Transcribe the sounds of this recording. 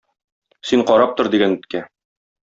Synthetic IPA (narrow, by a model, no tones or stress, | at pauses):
siɴqɒɾɑp̚t̪oɾd̪iɡænɵ̆t̪kæ